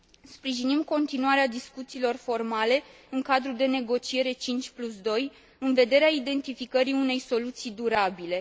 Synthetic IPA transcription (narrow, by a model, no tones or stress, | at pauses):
spɾiʒinimko̞nt̪inuaɾead̪iskut̪siːlo̞rfo̞rmale̞ | ɨŋkad̪ɾud̪e̞ne̞ɡo̞t͡ʃie̞ɾe̞t͡ʃint͡ʃʲplusd̪o̞j | ɨnve̞d̪e̞ɾeaid̪e̞nt̪ifikəɾiune̞jso̞lut̪sijd̪uɾabile̞